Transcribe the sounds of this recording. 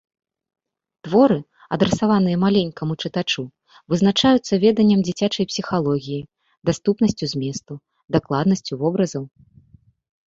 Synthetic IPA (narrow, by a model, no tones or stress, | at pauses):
t̪vɔɾɨ | ɐd̪ɾɛsavanɨjɐmalʲenʲkɐmut͡ʂɨt̪at͡ʂu | vɨznat͡ʂajut̪sːɐvʲɛd̪ɐnʲːɐmd͡zʲit͡sʲat͡ʂɐjpsʲixalˠɔɣʲiji | d̪ast̪upnɐsʲt͡sʲuzʲmʲɛst̪u | d̪aklˠad̪nɐsʲt͡sʲuvɔbɾɐzɐw